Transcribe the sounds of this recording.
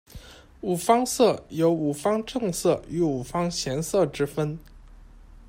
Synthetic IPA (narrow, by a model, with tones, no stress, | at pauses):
u˨˩fɑ˥ŋsɤ˥˩jo˧˥ʊu˨˩fɑ˥ŋʈ͡ʂɤ˥˧ŋsɤ˥˩y˧˥u˨˩fɑ˥ŋɕjɛ˧˥nsɤ˥˩ʈ͡ʂɻ̩˥fə˥n